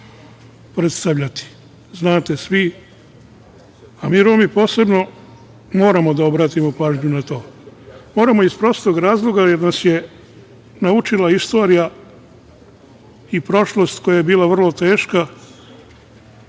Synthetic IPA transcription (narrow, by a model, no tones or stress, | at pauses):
pɾet̪st̪aʋʎat̪i̥ | znaːt̪e̞sʋi | amiːɾoːmipo̞ːse̞bno̞ | mo̞ːɾamo̞d̪ao̞bɾaːt̪imo̞paːʒɲunat̪o̞ːmo̞ːɾamo̞ispɾo̞st̪o̞ɡɾaːzlˠo̞ɡaje̞ɾnasje̞ | naut͡ʃilaist̪o̞ːɾija | ipɾo̞ʃlˠo̞st̪kʰo̞jajebiːlaʋr̩lˠo̞t̪e̞ːʃka